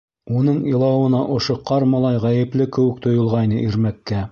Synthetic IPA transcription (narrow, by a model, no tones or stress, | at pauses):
unɤɴɤ̆lˠɑwɤ̆nɑʔŏʃoqɑɾmɑlˠɑjʁæjɘ̆plɘkɘ̆wɘ̆k̚t̪ŏjŏlˠʁɑjnɤʔiɾmækːæ